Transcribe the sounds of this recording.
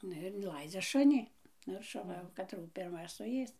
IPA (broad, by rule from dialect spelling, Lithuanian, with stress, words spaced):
ˈnʊ ɪr ɪnˈlˠɐɪd͡zʲɛ ˈʃʊnʲɪ ˈnʊ ɪr ʃʊˈʋɐ jɛʊ kɐˈtruː pʲɪrˈmɐ sʊˈeːs